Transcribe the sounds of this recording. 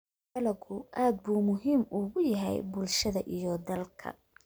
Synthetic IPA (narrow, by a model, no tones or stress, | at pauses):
ɛlɐɣʊʔaːd̪̚buːmʊɦiːmʊːɣʊjɐɦɛ̰jbʊlʃɐðɐʔijɞd̪ɐlkʰɐ̰